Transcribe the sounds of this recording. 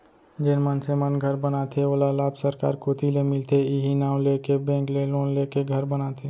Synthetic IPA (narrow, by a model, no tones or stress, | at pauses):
d͡ʒenmənsemənɡʱəɾbənat̪ʰeoːlalaːbsəɾka̰ːɾkʰot̪ʰilemɪlt̪ʰeɪɦinaːwlekebɛ̃ːŋkleloːnleːkeɡʱəɾbənat̪ʰeː